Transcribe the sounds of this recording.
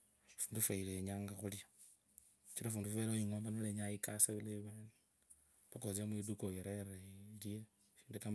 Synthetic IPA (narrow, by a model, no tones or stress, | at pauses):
fuːndufaileɲaːŋɡaxulja | t͡ʃiɾafuːndufeɾaiŋoːmbanoleɲajikasaβileβeni | βakoziamuidukojeɾeɾelije | ʃi̥ːndekam